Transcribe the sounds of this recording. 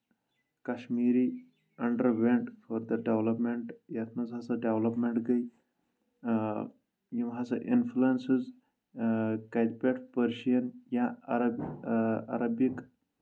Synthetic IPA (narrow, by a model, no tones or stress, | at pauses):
kɐʃmiːɾi | ɐɳɖəɾʋẽɳʈfɔɾd̪ɐɖeʋlɐpmeɳʈjɐt̪ʰnɐzɦɐsɐɖeʋlɐpmeɳʈɡɐj | jimɦɐsɐʔḭnfluensiz | kɐd̪̚peʈpəɾʃijɐnjaɐɾɐ | ɐ̰ɾɐbjik